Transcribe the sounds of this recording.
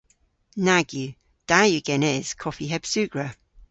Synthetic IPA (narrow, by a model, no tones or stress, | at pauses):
naɡjʉ | d̥ajʉɡ̥ɛnɛz̥kʰɔfiɦɛb̥sʉɡ̥ɹə